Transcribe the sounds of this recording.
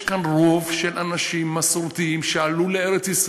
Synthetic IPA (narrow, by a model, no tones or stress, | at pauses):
kanʁo̞vʃelʔanaʃimːasɾut̪iimʃealuleeɾet͡sis